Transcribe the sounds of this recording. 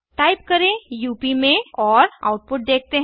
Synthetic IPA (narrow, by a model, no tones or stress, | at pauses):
ʈaːɪp̚kɐɾẽjuːpimẽɔːɾa̰ʊʈ̚pʊʈ̚d̪eːk̚ʰt̪eɦ